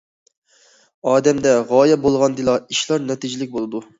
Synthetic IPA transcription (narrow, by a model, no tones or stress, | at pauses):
ɑːd̪ɛmd̪ɛʁɑːjɛbolˠʁɑnd̪ɨlˠɑiʃlˠɑɾnɛt̪id͡ʒilɪkʲbolˠɨd̪u